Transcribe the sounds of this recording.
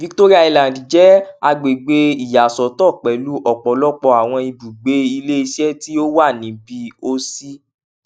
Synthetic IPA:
vi˦kto˦ɾi˦a˧i˧la˨di˨d͡ʒɛ˨˦a˧ɡ͡be˨ɡ͡be˧i˨ja˨sɔ˨˦tɔ˦˨k͡pɛ˨lu˨˦ʔɔ˨k͡pɔ˨˦lɔ˦k͡pɔ˧a˨w̃ɔ̃˧i˧bu˨ɡ͡be˨˦i˧le˦i˧sɛ˦ti˦o˦wa˦˨nĩ˨˦bi˧o˦si˦

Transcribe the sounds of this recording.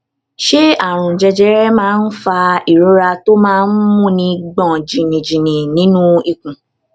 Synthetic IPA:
ʃe˦a˨ɾ̃ũ˨d͡ʒɛ˧d͡ʒɛ˦ɾɛ˦mãː˦n̩˦fa˧i˨ɾũ˦ɾa˧to˦mãː˦˧n̩˦mũ˦˨nĩ˧ɡ͡bɔ̃˨d͡ʒĩ˨nĩ˨d͡ʒĩ˨nĩ˨nĩ˨˦nũ˦i˨kũ˨

